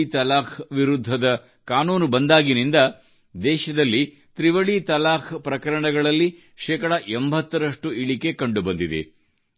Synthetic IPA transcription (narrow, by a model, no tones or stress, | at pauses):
it̪ɐlaːkʰʋiɾud̪ʱːɐd̪ɐ | kaːnuːnubɐnd̪aːɡinind̪ɐ | d̪ɛːʃɐd̪ɐlːi | t̪ɾiʋɐɭit̪ɐlaːkʰpɾɐkɐɾɐɳɐɡɐɭɐlːi | ʃɛːkɐɽɐʔembʱɐt̪ːɐɾɐʂʈuiɭike̞kɐɳɖubɐnd̪id̪ḛ